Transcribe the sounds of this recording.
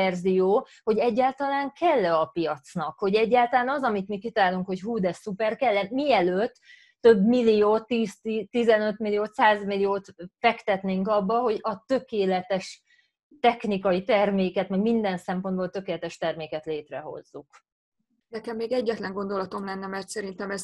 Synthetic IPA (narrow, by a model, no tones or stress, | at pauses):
ɛrzijoː | ho̞ɟɛɟːaːlt̪ɒlaːŋkʰɛlːɛɒpijɒt̪snɒkho̞ɟɛɟːaːlt̪ɒlaːnɒzɒmit̪mikit̪ɒlaːluŋkho̞cɦuːd̪ɛsupɛrkɛlːɛnmiɛløːt̪ː | øbmilːijoːt̪ːiːst̪it̪izɛnøt̪milijoːt̪saːzmilijoːt̪fɛkt̪ɛt̪neːŋkɒbːɒɦo̞ɟɒt̪ø̞keːlɛt̪ɛʃ | t̪ɛxnikɒjit̪ɛrmeːkɛt̪mɛɡmind̪ɛnsɛmpo̞nd̪boːlt̪ø̞keːlɛt̪ɛʃt̪ɛrmeːkɛt̪leːt̪rɛɦo̞̰zːuk | nɛkɛmːeːɡɛɟːɛt̪lɛŋɡo̞nd̪o̞lɒt̪o̞mlɛnːɛmɛrt̪sɛɾint̪ɛmɛz